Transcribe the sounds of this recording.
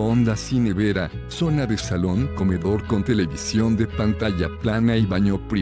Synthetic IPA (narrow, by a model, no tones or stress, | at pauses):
ond̪asineβeɾa | so̞naðesaloŋko̞me̞ðo̞ɾko̞nt̪ele̞βisjo̞nd̪e̞pant̪aʝaplanaiβaɲopɾi